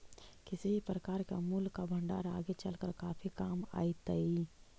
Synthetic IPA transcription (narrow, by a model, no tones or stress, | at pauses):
kɪsibʱipɾəkaːɾkamulkːabʱə̃ɳɖa̰ːɾaːɡet͡ʃəlkəɾkaːpʰikaːma̰ːit̪əi